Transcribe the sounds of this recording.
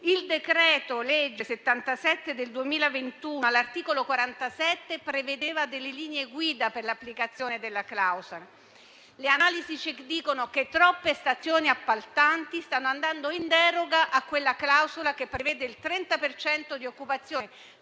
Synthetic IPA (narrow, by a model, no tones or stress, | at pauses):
ild̪ekɾɛːt̪olɛd͡ʒːeset̪ːant̪asɛt̪ːed̪eld̪uemiːlavent̪uːalːart̪iːkolokwaɾant̪asɛt̪ːepɾeved̪eːvad̪elːeliːneɡwiːd̪aperlapːlikat̪sːjoːned̪elːaklawzola | leanaːlizit͡ʃekd̪ːiːkonoket̪ːɾɔpːest̪at̪sjoːniapːalt̪ant̪ist̪anːoand̪and̪oind̪ɛːɾoɡaʔakːwelːaklawzolakepːɾevɛːd̪eilt̪ɾɛnt̪apert͡ʃɛnt̪od̪iokːupat̪sːjoːn